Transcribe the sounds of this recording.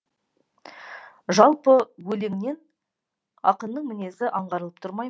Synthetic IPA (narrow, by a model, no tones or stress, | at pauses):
ʒɑlˠpəwɵleŋne̞n | ɑqənːəɴmɪne̞sɪʔɑɴʁɑɾəlˠəp̚t̪ʰʊɾmɑj